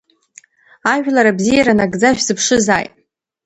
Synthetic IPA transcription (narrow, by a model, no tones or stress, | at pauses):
aʒᶣlaɾabzijaɾanaɡd͡zaʃᶣzɨpʰʂɨzaːjtʼ